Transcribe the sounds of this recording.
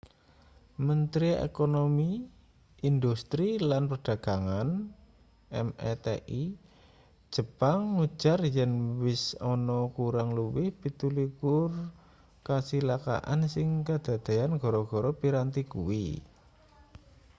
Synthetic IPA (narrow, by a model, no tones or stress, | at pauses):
mənt̪ɾiḛkonomi | ʔind̪ust̪ɾilanpərɖ̥a̤ɡ̥aŋan | ʔɛ̰mɛ̰t̪ḛʔi̥ | ʒ̥ə̤paŋːu̥ʒ̥arjənwɪsɔnɔkuɾaŋluwɪhpit̪ulikʊr | kasilaka̰ʔa̰nsɪŋkad̪̥a̤d̪̥e̤janɡ̥ɔ̤ɾɔɡ̥ɔ̤ɾɔpiɾant̪ikṵwḭ